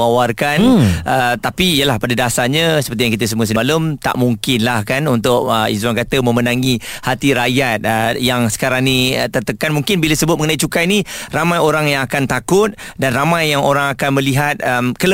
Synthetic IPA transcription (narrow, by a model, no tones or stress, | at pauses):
awarkanʔət̪apiːjəlahpadadasaɲãsəpərt̪̬ijaŋkit̪əs̬əmuəs̬əaləmt̪a̰ʔmuŋkɪnlahkanunt̪ʊk̚əḭzwaŋkat̪əmə̃mənãŋihat̪iɾajat̪̚əjaŋsə̥kaɾaŋnit̪ərt̪əkːanmuŋkɪnbiləsəbʊt̪̚məŋənait͡ʃukajniramãjoɾaŋjaŋakant̪akʊt̪̚danramãjːaŋo̰ɾaŋakanmə̃liɦat̪̚əmkələ